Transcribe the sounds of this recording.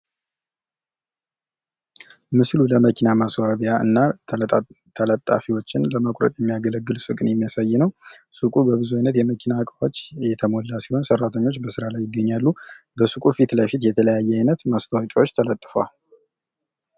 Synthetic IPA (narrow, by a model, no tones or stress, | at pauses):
mɨsluləməkʰinamaswaβjaɨ̰nːa | t̪ʰələt̪ʼːa̰fiwo̞t͡ʃːɪnləməkʼɾə̰t̪ʼjɛmːijaɡələɡːɨlsɨkʼɨnjɛmːijasajːɪnəw | sɨkʼubəβɨzuajnət̪jɛməkʰinakʼəwot͡ʃːjɛt̪ʰəmolːasiho̞nsərːat̪ʰəɲːo̞t͡ʃːbəsɨɾalajːɪɡːəɲːalːu | bəsɨkʼufit̪ləjfit̪jɛt̪ʰələjajːɛajnət̪mast̪ʰawat͡ʃʼawot͡ʃːt̪ʰələt̪ʼːɨfa̰l